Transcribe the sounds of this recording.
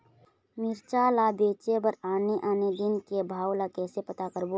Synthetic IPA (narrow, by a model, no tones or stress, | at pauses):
mɪɾt͡ʃalabeːt͡ʃebəɾaːneʔaːned̪ɪnkebʱaːwlakɛːsepət̪akəɾbo